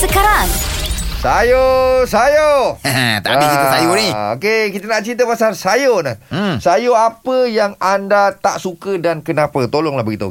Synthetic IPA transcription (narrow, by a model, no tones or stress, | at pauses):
səkaɾaŋsajosajo | t̪aʔbikit̪usajoniokekit̪ənaʔt͡ʃint̪̬əpasarsajonəsajoapəjaŋandat̪aʔsukədankənãpət̪olɔŋlahbəɡit̪uo̰